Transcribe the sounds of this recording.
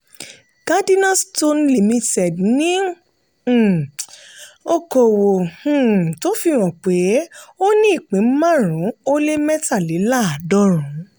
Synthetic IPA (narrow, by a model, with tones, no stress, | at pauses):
ɡ̥a˦di˦nã˦sto˦nli˨mĩ˧tɛ˨dnĩ˨˦˨ | o˧ko˨wõ˨˦˨ | to˦fi˧w̃ɔ̃˨k͡pe˨˦o˦nĩ˦i˦˨k͡pĩ˨˦m̩˦mã˦˨ɾ̃ũ˨˦o˦le˦mɛ˦ta˦˨li˨˦la˦a˨dɔ˦ɾũ˨˦